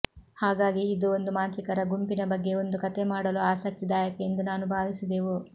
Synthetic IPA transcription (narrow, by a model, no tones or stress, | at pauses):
haːɡaːɡiːd̪uo̞nd̪umaːnt̪ɾikɐɾɐɡumpinɐbɐɡːe̞o̞nd̪ukɐt̪e̞maːɽɐluaːsɐk̚t̪id̪aːjɐkɐend̪unaːnubʱaːʋisid̪eːʋu